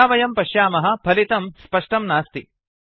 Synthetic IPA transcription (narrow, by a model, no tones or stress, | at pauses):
aːʋɐjɐmpɐʃjaːmɐɦɐ̆pʰɐlit̪ɐmspɐʂʈɐmnaːst̪ḭ